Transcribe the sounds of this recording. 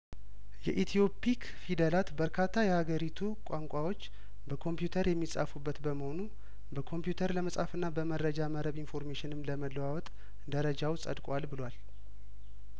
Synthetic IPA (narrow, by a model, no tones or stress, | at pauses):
jɛ̰ʔit̪ʰijo̞pik | fid̪əlat̪bəɾkʰat̪ʰːajɛhaɡəɾit̪ʰukʼaŋkʷʼawo̞t͡ʃː | bəkʰo̞mpjut̪ʰəɾjɛmːisʼa̰fubːət̪bəməho̞nu | bəkʰo̞mpjut̪ʰəɾləməsʼhafɨnːabəməɾəd͡ʒaməɾəβinfo̞ɾmeʃɪnɨmləməlːəwawɔt̪ʼ | d̪əɾəd͡ʒawsʼə̰d̪kʼalbɨlwal